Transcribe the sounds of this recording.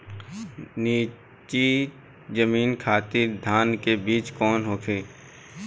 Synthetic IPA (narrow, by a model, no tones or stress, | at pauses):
niː | t͡ʃi | d͡ʒəmiːnkʰaːt̪iɾd̪ʱaːnkebiːt͡ʃkɔːnɦoːkʰeː